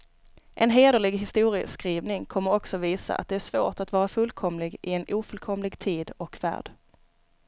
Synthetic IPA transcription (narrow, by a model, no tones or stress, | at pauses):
ʔɛnɦeːd̪əɭɪɡɦɪst̪uːɾɪə̰skɾiːvnɪŋkʰɔmːəɾɔksɔviːsa̰ʔa̰t̪̚d̪ɛæʂvo̰ːʈat̪vɑːɾafɵlkʰɔmlɪɡʔɪɛnuːfɵlkʰɔmlɪɡt̪ʰiːd̪ɔkvæ̰ːɖ̥